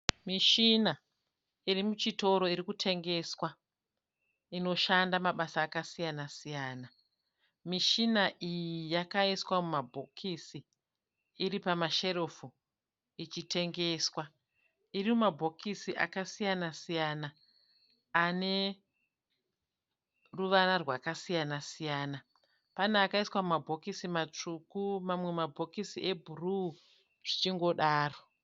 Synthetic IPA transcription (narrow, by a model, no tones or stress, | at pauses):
miʃina | irimut͡ʃito̞ɾo̞iɾikutʰe̞ŋɡe̞swa | ino̞ʃandamaɓasaːkasijanasijaːna | miʃinaʔijijakaiswamumabʱokʰisiː | ɾipamaʃe̞ɾo̞fu | it͡ʃitʰe̞ŋɡe̞swa | irimumabʱo̞kʰisiʔa̰kasijanasijanaː | ne̞ | ruʋanarwakasijanasijaːna | panaːkaiswamumabʱo̞kisimat͡ʂukumamwe̞mabʱo̞kisiʔe̞bʱuru | ʐ̥it͡ʃiŋɡo̞ɗaːro